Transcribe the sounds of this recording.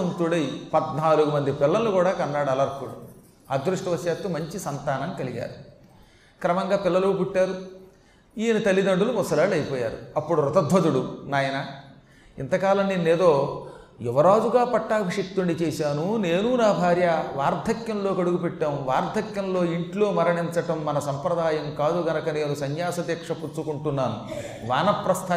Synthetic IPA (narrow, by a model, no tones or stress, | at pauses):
ɐnt̪uɽɐjpɐd̪naːluɡumɐnd̪ipɪlːɐlukuːɽaːkɐnːaːɽɐlɐɾkuɽṵ | ɐd̪ɾuʂʈɐʋɐsjaːt̪ːumɐɲt͡ʃisɐnt̪aːnɐmkɐliɡa̰ːɾu | kɾɐmɐŋɡaːpɪlːɐlukuʈːaːɾu | iːnit̪ɐlːid̪ɐɳɖulupɔsɐlaːɽɐjpɔːja̰ːɾṵɐpːuɽuɾɔt̪ɐd̪ʱʋɐt̪uɽunaːjɐnɐ | ḭnt̪ɐkaːlɐnninːeːd̪o̞ː | ɛʋɐɾaːd͡ʒuɡaːpɐʈːaːkiʂik̚t̪uɳɖit͡ʃɛːsaːnuneːnunaːbʱaːɾjɐʋaːɾd̪ʱɐkjɐmlo̞ːkɐɽuɡupɛʈːaːmʋaːɾd̪ʱɐkjɐmlo̞ːiɳʈlo̞ːmɐɾɐɳiɲt͡ʃɐʈɐmːɐnɐsɐmpɾɐd̪aːjɐmkaːd̪uɡɐnɐkɐne̞ːnusɐɲjaːsɐd̪jɐkʂɐput͡ʃːukuɳʈunːaːnu | ʋaːnɐpɾɐst̪ʰaː